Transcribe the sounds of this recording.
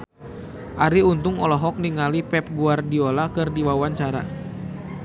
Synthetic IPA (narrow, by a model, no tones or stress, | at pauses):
ʔaɾiunt̪ʊŋɔlɔɦɔk̚niŋalipɛp̚ɡuardiolakɨrdiwawaɲt͡ʃaɾa̰